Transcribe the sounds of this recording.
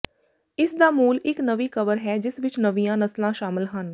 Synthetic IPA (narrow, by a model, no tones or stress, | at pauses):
ɪsd̪aːmuːlɪknəʋiːkəʋəɾɦɛːd͡ʒɪsʋɪt͡ʃnəʋijãːnəslãːʃaːmɪlɦən